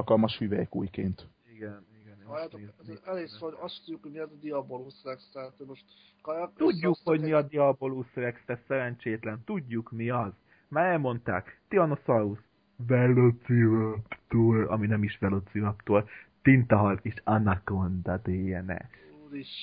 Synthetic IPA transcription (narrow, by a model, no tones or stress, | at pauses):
lkɒlmɒʃhyvɛjɛkṵːjkḛːnt̪ | iɡɛniɡɛnt̪ːɛleːsoɒst̪udɟːukhojmiɒzd̪iɒboluːsɛɾɛkst̪ɛt̪ømoʃt̪ | kjt̪uɟːukho̞ɟmiɒd̪iɒboluːsɛɾɛkst̪ɛsɛɾɛnt͡ʃeːt̪lɛnt̪uɟːukmiɒz | maːɾɛlmo̞nt̪a̰ːkt̪iɒnosɒus | vɛlosiɾɒpt̪oːlɒ̰minɛmiʃʋɛlosiɾɒpt̪oːlt̪int̪ɒɦɒleːʃɒnakond̪ɒd̪eːjɛnɛ̰ | ɾiʃ